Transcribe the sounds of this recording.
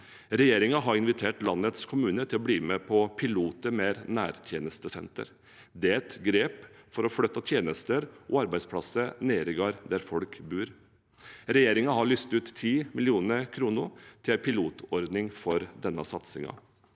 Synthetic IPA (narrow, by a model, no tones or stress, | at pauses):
ɾɛjeːɾɪŋɑɦɑɾɪnʋɪt̪ʰeːʈlɑnːət̪skʰʊmʉːnət̪ʰɪlɔbliːmɛpʰɔpʰɪluːt̪əmeːɾnæːɾt̪ʰjeːnəst̪əsɛ̰nt̪ə̰ɾ | d̪ɛæɛt̪ɡɾeːpfɔɾɔfɽœt̪ːɑt̪ʰjeːnəst̪əɾʔɔːɑɾbæɪspʰlɑsəneːɾɪɡɑːɾd̪æɾfɔlkbʉːɾ | ɾɛjeːɾɪŋɑɦɑɭʏst̪ʉːt̪t̪ʰːiːmɪlɪuːnəɾkʰɾuːnʊɾt̪ʰɪlpʰɪluːt̪ʰɔɾd̪nɪŋfɔɾd̪ɛnːəsɑt̪sɪ̰ŋɑ̰